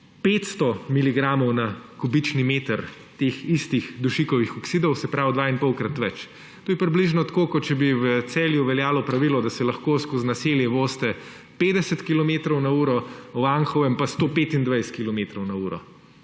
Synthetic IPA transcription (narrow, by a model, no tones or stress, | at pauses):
peːt̪st̪ɔmiliɡɾamɔwnakubit͡ʃnimeːt̪əɾ | t̪exist̪ixd̪uʃikɔʋixɔksid̪ɔwsɛpɾawd̪ʋainpɔwkɾat̪ʋɛt͡ʃ | t̪oːjɛpɾibliʒnɔt̪akoːkɔt̪t͡ʃɛbiwət̪sɛːljuʋɛljaːlɔpɾɐʋilɔd̪asɛlɐxkoːskoznɐseljɛʋoːst̪ɛ | peːd̪ɛsɛt̪kilɔmeːt̪ɾɔwnauːɾɔʋaŋxɔʋɛmpast̪oːpeːt̪ind̪ʋajst̪kilɔmet̪ɾɔwnauːɾɔ̰